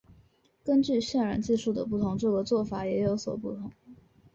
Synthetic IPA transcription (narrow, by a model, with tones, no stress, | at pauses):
kə˥nt͡ɕy˥˧ɕjɛ˥˩nɻa̰˨˥nt͡ɕi˥˧ʂu˥˩d̪ə˩pu˥˩t̪ʰʊ˧˥ŋʈ͡ʂɤ˥˩ɡə˩t͡swɔ˥˩fa˨˩jɛ˧˥jo˧˥ʊswɔ̰˨˩pu˥˩t̪ʰʊ˧˥ŋ